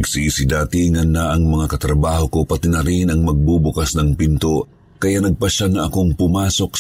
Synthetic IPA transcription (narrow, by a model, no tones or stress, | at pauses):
ɡsisɪd̪aːt̪ɪŋɐnːaʔɐŋmɐŋakɐt̪ɾɐbaːhoko̞pɐt̪ɪnɐɾinɐŋmɐɡ̚bubʊkasnɐŋpint̪o | kɐjanɐɡ̚pɐʃaŋɐʔɐkoŋpʊmaːso̞k̚